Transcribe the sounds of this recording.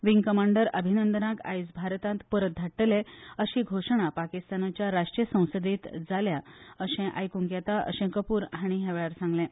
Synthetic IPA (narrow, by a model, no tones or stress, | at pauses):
ʋiŋɡkəmaɳɖəɾəbʱinənd̪ənaka̰jsbʱaɾt̪ãnt̪pəɾət̪̚d̪ʱaʈːəleəɕiːɡʱoʂəɳ̃apakist̪anat͡ɕjaɾaʂʈɾijəsə̃w̃səd̪iːt̪d͡zaljaəɕẽʔa̰jkuŋkjat̪aʔə̰ɕẽkəpuːɾɦaɽ̃iɦeʋɭaɾsãŋɡlẽ